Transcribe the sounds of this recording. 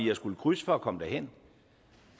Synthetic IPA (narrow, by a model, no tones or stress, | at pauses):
ijɑsɡ̥uləkʰʁysə̥fɒ̽ːkʰɒ̽məd̥æɐhen̰